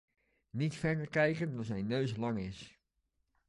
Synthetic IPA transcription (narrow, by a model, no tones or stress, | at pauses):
nitfɛɹdərkɛjkəndɔzɛjnːøːslɑŋɪs